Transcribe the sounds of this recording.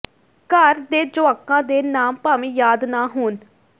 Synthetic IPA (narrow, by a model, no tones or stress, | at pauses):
kəɾd̪eːd͡ʒʊaːkãːd̪eːnaːmpaːʋĩːjaːd̪naːɦoːn